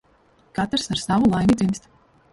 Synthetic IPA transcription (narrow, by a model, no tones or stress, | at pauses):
kat̪ɾsaɾsavulˠajmʲid̪zinʲsʲt̪